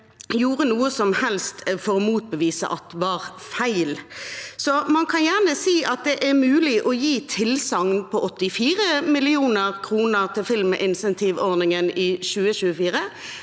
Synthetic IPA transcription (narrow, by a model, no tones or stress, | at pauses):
juːʁənuːəsɔmhɛlst̪fɔʁɔmuːt̪̚bəʋiːsə̰ʔɑt̪ʋɑʁfæɪlsɔmɑnkʰɑnjæʁnəsiːʔɑt̪̚d̪ɛʔæʁmʉːlɪʔɔjiːt̪ʰɪlsɑŋnpʰɔɔt̪ːɪfiːɾəmɪlɪuːnəʁkʰʁuːnəʁt̪ʰɪlfɪlmʔɪnsɛnt̪ʰɪʋɔʁnɪŋənɪɕʉːəɕʉːəfiːɾə